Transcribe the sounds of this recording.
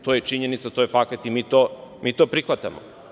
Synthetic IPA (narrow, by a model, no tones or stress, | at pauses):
t̪ojet͡ʃiɲenit̪sat̪ojefakat̪imiːt̪omiːt̪opɾixʋat̪a̰mo